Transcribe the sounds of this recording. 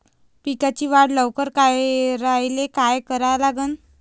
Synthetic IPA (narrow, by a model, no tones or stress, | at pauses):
pikat͡ɕiːʋaɽləʋkəɾkajɾajlekajkəɾalaɡəːn